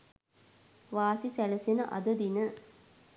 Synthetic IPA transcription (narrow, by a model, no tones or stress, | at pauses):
ʋaːsisæləsenəʔɐ̰d̪əd̪inə